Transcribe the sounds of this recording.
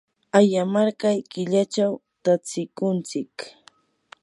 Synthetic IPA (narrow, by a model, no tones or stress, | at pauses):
ajamaɾkajkɪʎat͡ʃaw | t̪at͡sɪkʊnt͡sɪk